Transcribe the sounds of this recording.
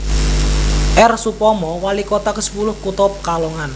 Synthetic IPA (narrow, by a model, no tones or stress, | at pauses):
ʔɛrsupɔmɔwalikot̪akəsə̥pulʊhkut̪ɔp̚kalɔŋan